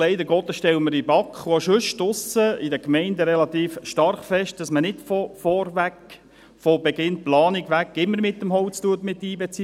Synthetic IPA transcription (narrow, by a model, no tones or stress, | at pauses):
lɛɪd̪əɡɔːt̪ːəʃtɛwməɾibɑkχʋoʃʉʃtʊsəidəkmɛɪnd̪əɾɛlɑt̪iːfʃtɑrχfɛʃt̚d̥ɑsmənɪtfɔfɔɾʋæk | fɔbɛɡɪnt̚plɑːniɡʋækːɪmːəɾmɪt̪ːəmɦɔʊt͡stuət̪mɪt̪ːiːbɛt͡si